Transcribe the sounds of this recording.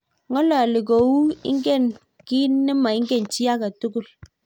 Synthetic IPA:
ŋɔ˦lɔ˨li˨ɡo˨wu˦ḭ˦ŋ̩˦ɡe˦˨n | ki˦nɨ˦ma˨i˦ŋ̩˦ɡe˦˨n˨t͡ʃi˦a˦ka˨tu˦ku˦˨l

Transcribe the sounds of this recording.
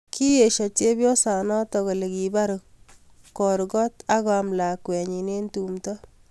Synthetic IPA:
kʰi˦je˨ʃɔ˨t͡ʃe˦bjɔ˦sa˨nɔ˦tɔ˨ɣɔ˨le˨ki˨ba˦ɾkː | ɔ˨ɾɡɔ˦ta˦ɣɔ˨mla˨kwɛ˨ɲi˨ne˦ntu˨mtɔ˦

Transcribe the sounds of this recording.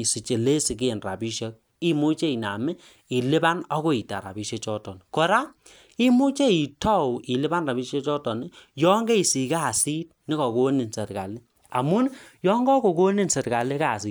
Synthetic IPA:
si˨t͡ʃe˨le˦si˨k̬ːnra̰˨bi˦ʃe˦k̚ | i˦mu˦t͡ʃe˦i˨na̰˨mɛ˦ | i˨lɪ˦ba˦nɔ˦ko˦i˨ta̰˨ɾa̰˨bi˦ʃe˦t͡ʃɔ˦tɔ˨n˨kɔ˨ɾa˦ | i˦mu˦t͡ʃe˦i˨tɔ˦˨wʔi˨lɪ˦ba˦nra˨bi˦ʃe˦t͡ʃɔ˦tɔ˨nɪ˨jɔ˦ŋɡe˦i˨si˨kaː˦˨si˦t̚nɪ˦kɔ˨ko˦ni˨nse˨tka̰˨li˦ | a˨mu˦njɔ˦ŋɡɔ˦ko˨ko˦ni˦nse˨tka˨le˦ka˦˨si˦˨

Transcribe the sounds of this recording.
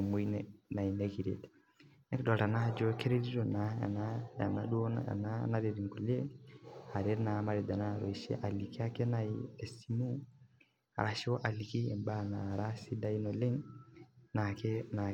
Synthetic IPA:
mo˦inna˨i˨neɣi˨ɾḛte̥ | ne˦ki˦dɔ˨ta˨na˦d͡ʒoke˦ɾe˦ɾi˦ɾo˨naa̰˨naa̰˨nadu˦o̰˦nana˦ɾeɾi˨ŋɡu˨le˦ha˨ɾe˦na˨ma˦ɾed̪a˨na˦ɾo˨iʃḛ˦ʔa˨li˨ki˦a˦ke˦naie˨simu˦ | a̰˨ɾa˨ʃi˦wɔ˦ʔa˨liki˦e˨mba˦na˨ɾasi˦da˦i˦no˨le˦ŋ | nakena

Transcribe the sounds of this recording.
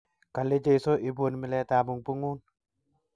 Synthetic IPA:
ka˨le˦d͡ʒe˦˨so˦ʔi˨bo˨nmi˨lɛ˧ta˨mu˨ŋpu˦ŋu˦n

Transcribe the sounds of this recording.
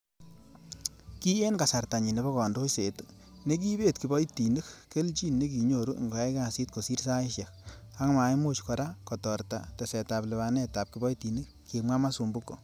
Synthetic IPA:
ki˦je˦nka˨sa˨rta˨ɲi˨ne˨bɔ˦kɔ˨ndo˦se˨t | ne˦k̬i˦be˦tki˨bɔ˦iti˨nu˦kke˦lt͡ʃi˦nne˦k̬i˨ɲo˨ɾu˦˨ŋɡo˨a˦ka˨si˦t̚ko˨si˦ɾsa˦iʃjɛ˨k | a˦ŋma˨jmu˦t͡ʃkɔ˨ɾa˦kɔ˨tɔ˨ɾta˨te˨sɛ˨ta˨ple˨βa˨nɛ˦ta˨p̚ki˨bɔ˦jti˨nɨ˦k̚ | ke˨mʷwa˦ma˦su˨mbu˦kːo̰˨

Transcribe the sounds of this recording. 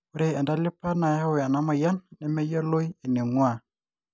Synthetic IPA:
u˦ɾe˦a˨nda˦li˦pa˦na˨ja˦wi˨a˨na˦ma˨ja˦nːɛ˨me˦ja˦lo˦ji˨ni˨ŋwa˨

